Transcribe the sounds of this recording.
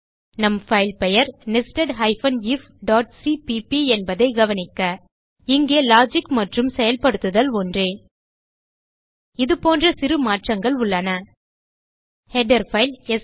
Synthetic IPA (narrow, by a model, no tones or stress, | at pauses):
nɐmfɐɪlpɛjɐɾnɪsʈɐɖɦɐɪfɐnif | ɖaːʈ̚sipipiɛnbɐðɐɪɡɐʋɐnɪkːɐ | ɪŋɡeːlaːd͡ʒɪkːmɐʈrɯmsɛjɐlpɐɽɯt̪ːɯðɐlɔndreː | ɪðɯpoːndrɐsɪɾɯmaːʈrɐŋɡɐɭʊɭːɐnɐ | hɛɖɐɾfɐɪlɛs